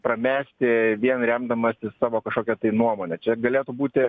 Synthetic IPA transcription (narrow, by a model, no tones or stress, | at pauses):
pɾɐmʲæːsʲt̪ʲɪʋʲiɛnɾʲɛmd̪ɐmɐsʲɪsɑːʋoːkɐʃkoːkʲɛt̪ɐɪnuɔmoːnʲɛt͡ʃʲɛɡɐlʲeːt̪ubuːt̪ʲɪ